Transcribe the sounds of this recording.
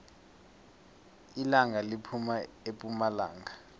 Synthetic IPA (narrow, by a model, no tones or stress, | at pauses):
ilaŋalipʰuma | epʼumala̰ːŋa